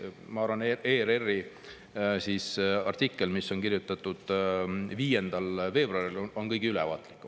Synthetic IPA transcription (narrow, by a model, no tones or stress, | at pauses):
mɑɑɾvɑneeːɾe̞rːi | sisɑrt̪ikːˑe̞lmisːo̞nkirjut̪ːˑɑt̪ːˑud̪̥viːje̞nd̪̥ɑlve̞ːbroɑrilono̞nkɤjɡ̥iylɛvɑ̰ːt̪likːˑum